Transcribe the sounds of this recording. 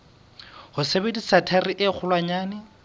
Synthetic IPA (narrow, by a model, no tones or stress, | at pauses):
hʊsebedisatʰariʔɪk͡xʰʊlwaɲaːnɪ